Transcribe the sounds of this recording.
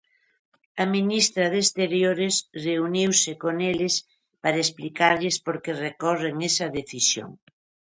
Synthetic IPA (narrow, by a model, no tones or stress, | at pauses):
ɐminist̪ɾɐðest̪eɾjoɾɪsreuniwsɪkoŋelɪs | paɾɐesplikaɾʎɪspoɾkerekɔreŋesɐðeθisjo̰ŋ